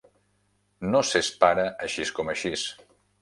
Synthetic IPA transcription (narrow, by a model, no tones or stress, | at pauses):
nosespaɾəʔəʃiskɔməʃis